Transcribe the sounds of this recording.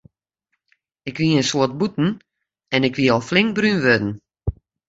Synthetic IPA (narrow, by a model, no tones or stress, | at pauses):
ɪkʋiəənsoət̚butn̩ | ɛnɪkʋiəɔlˠflɪŋk̚brynʋødn̩